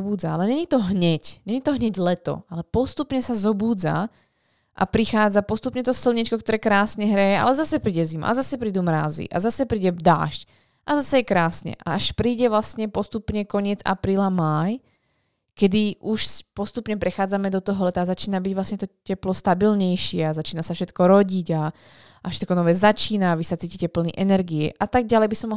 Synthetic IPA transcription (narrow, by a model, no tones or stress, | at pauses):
buːd͡zaalɛɲɛɲit̪ɔɦɲɛcɲɛɲit̪ɔɦɲɛɟlɛt̪ɔ̰alɛpɔst̪upɲɛsazɔbuːd͡za̰ | ʔa̰pɾixaːd͡zapɔst̪upɲɛt̪ɔsilɲit͡ʃkɔk̚t̪ɔɾɛːkɾaːsɲɛɦɾɛjɛʔa̰lɛzasɛpɾiːɟɛzima̰ʔazasɛpɾiːd̪umɾaːzḭʔa̰zasɛpɾiːɟɛd̪a̰ːʃc | ʔazasɛjɛkɾaːsɲɛ̰ʔa̰aʃpɾiːɟɛʋlasɲɛpɔst̪upɲɛkɔɲɪɛd͡za̰pɾiːlamaj | kɛd̪iʔuʃspɔst̪upɲɛpɾɛxaːd͡zamɛd̪ɔt̪ɔɦɔlɛt̪aːzat͡ʃiːnabiɟʋlasɲɛt̪ɔcɛplɔst̪abilɲɛjʃɪɛazat͡ʃiːnasafʃɛt̪kɔɾɔɟiɟa | afʃɛ̥t̪kɔnɔʋɛːzat͡ʃiːnaːʋisat͡siːcicɛpl̩niʔɛnɛɾɡiɛ̰ʔat̪aɡ̚ɟalɛjbisɔmːɔ